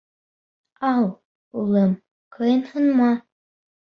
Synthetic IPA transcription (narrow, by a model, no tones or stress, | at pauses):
ɑlˠ | ulˠɤm | kʰɤjɤnhɤ̆nmɑ